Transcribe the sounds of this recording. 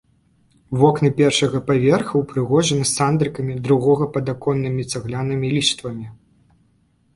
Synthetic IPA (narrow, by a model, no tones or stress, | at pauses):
vɔknɨpʲɛrʂɐɣɐpavʲɛrxɐwpɾɨɣɔʐɐnɐsand̪ɾɨkɐmʲid̪ɾuɣɔɣɐpɐd̪akɔnːɨmʲit̪saɣlʲanɨmʲilʲist̪vɐmʲi